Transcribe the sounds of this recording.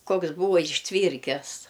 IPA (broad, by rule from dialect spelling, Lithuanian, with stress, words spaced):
ˈkoːks ˈbuːʋɐ ɪʃʲˈtʲʋʲiːrʲkʲɛs